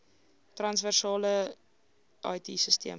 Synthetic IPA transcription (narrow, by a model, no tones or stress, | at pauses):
trɐnsværsɑːlə | ʔɐ̰jtisəstḭəm